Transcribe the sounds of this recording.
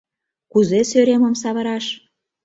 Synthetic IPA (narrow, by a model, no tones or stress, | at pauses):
kuzesøɾemə̆ms̬ɑβə̆ɾɑʃ